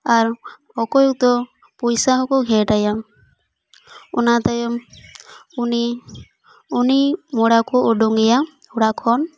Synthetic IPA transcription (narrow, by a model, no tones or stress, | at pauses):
aɾ | ɔkɔjɔk̚t̪ɔ | pɔjsaɦɔkɔɡʱɛʈajam | ɔnat̪ajɔm | uni | unimɔɽakɔɔɖɔŋɛja | ɔɽakʰɔn